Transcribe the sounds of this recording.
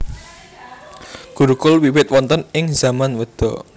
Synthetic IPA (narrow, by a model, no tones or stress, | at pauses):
ɡ̥uɾukʊlwiwɪt̪̚wɔnt̪ənɪŋz̥amanwəd̪̥ɔ